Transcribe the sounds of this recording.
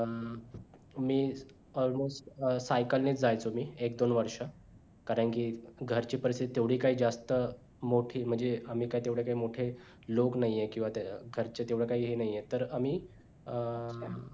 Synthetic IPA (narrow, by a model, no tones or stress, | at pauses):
miː | ɔlmosʈsajkəlnet͡sd͡zajt͡somiːekd̪onʋəɾʂə | kaɾəɳkiɡʱəɾt͡ɕiːpəɾist̪it̪it̪eʋɽ̤iːkaɦiːd͡zast̪ə | moʈʰiːm̤əɳd͡zeam̤iːkaɦit̪eʋɽ̤ekaɦiːmoʈʰe | loknaijekĩw̃ʋat̪ɡʱəɾt͡ɕet̪eʋɽekaiːɦenajjet̪əɾamiː